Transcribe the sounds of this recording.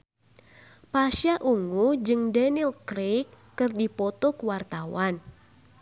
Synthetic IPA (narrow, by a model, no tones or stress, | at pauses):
paʃjaʔuŋud͡ʒɨŋdɛnilkɾekːɨrdipɔt̪ɔkuwart̪awan